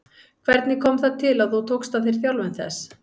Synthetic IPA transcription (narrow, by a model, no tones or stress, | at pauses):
kʰvɛɾt̪nɪkʰɔmθat̪ʰɪlaθuwt̪ʰowkst̪aθejɾ̥θjawlvɪnθɛ̰s